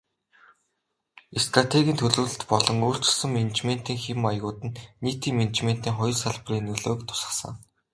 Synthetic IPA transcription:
est̪rat̪ʰeɣʲiːnt̪ʰɵɮŭːɮɘ̆t̪pɔɮɞ̆ŋoːr̥t͡ɕ̆sə̆ŋmenet͡ɕmen̥t̪iːŋxemajɣʊːt̪ɘ̆nːiːt̪iːŋmenet͡ɕmen̥t̪iːŋχɔj̆rsaɮpriːnːɵɮoːkt̪ʰʊ̥sə̥̆sə̰̆ŋ

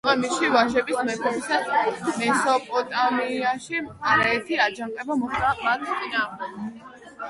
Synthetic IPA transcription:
ɛmiʃivaʒɛbismɛkʰɔbisad̪mɛsɔpʼɔt̪ʼamiaʃiaɾaɛɾt̪ʰiad͡ʒaŋqʼɛbamɔχd̪amat̪ʰt̪sʼinaːʁd̪ɛk

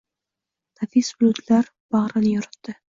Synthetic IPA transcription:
nafisbʊlʊt̪laɾ | b̥aʁɾanɪjɒɾɪt̪ːɪ

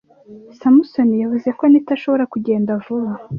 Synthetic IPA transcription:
samusonijavuze̞konitaʃo̞βo̞ɾakuɟe̞ːndavuβa

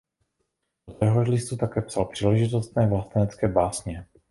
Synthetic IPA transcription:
ot̪ɛɦoʒlɪst̪ut̪akɛːpsalpr̥iːlɛʒɪt̪ost̪nɛːvlast̪ɛnɛt͡skɛːbaːsɲɛ

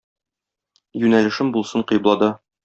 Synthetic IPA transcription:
jʉnælɘ̆ʃɘmbulˠsɤɴqɤ̆jblˠɑd̪ɤ

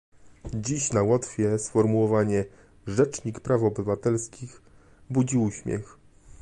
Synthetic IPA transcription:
d͡ʑiɕnawɔt̪fʲjɛsfɔɾmuwɔvaɲɛ | ʐɛt͡ʂɲikpɾafɔbɘvat̪ɛlskʲix | bud͡ʑiuɕmʲjɛ̰x

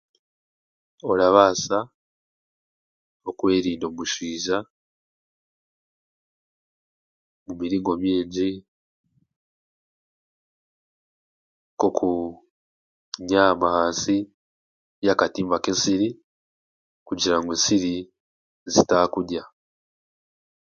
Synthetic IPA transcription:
oɾaβaːsa | o̞kwe̞ːɾiːndo̞ːmuʃiːʒa | mumiɾiːŋɡo̞mjiːɲɟi | kokʰu | ɲamahaːnsi | jakatiːmbakensiɾi | kuɟiɾaŋɡwensiɾi | zitakudja

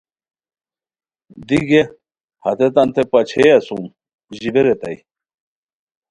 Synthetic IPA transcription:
d̪iɡe | hɐt̪et̪ɐnt̪ʰepɐt͡ɕʰejɐsum | ʑibeɾet̪ɐ̰i

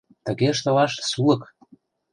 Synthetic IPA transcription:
t̪əɣeʃt̪ə̆lɑʃsulɤ̆k

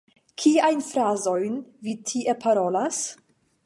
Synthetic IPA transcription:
kʰiajnfɾazo̞jnvitʰiʔepʰaɾo̞las

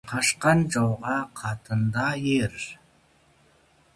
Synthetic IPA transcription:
qʰɑʃqɑnd͡ʒɑwʁɑqʰɑt̪ʰənd̪ɑjeɾ

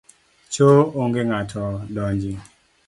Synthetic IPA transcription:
t͡ʃooŋɡɪŋatʰɔdɔɲd͡ʒi

